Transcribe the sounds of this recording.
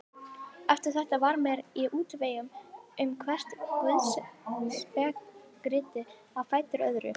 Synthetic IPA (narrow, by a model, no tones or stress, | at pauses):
ɛft̪ʏɾ̥θɛht̪avaɾmjɛɾiʔuːt̪veːjʏmʏmkʰvɛr̥t̪vɛðsspɛkɾɪːt̪ɪ | avfaːjt̪ɪɾœðɾʏ̰